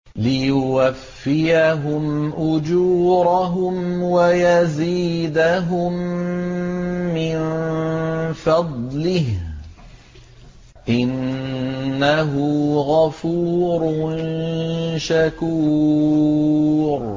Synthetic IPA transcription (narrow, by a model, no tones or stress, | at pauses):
lɪjʊwafːɪjaɦʊmʔʊd͡ʒuːɾaɦʊmwajaziːd̪aɦʊm | ɪn | fɑd̪ˤlɪh | ʔɪnː | aɦʊɣafuːɾn | ʃakuː | ɾ